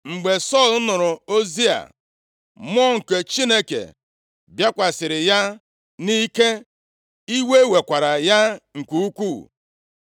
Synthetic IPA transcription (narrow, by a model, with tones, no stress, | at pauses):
ŋ͡m̩˨ɡ͡be˨sɔ˦˨l̩˦nʊ˨ɾʊ˨o˦zi˦a̰˨ | m˦ɔ˦ŋ̩˨ke˨t͡ʃi˦ne˦kḛ˨ | bja˦kʷa˨sɪ˨ɾɪ˨ja˦ | ni˦ke˦ | i˦we˦we˨kʷa˨ɾa˨ja˦ŋ̩˨kʷu˦u˦kʷu˦˨